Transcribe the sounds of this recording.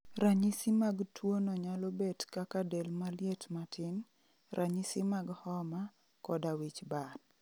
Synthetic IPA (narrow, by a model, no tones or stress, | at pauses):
ɾaɲisimaɡtwonɔɲalobetkakadelmaljetmatʰɪn | rʔaɲisimaɡhɔma | kɔdawit͡ʃbad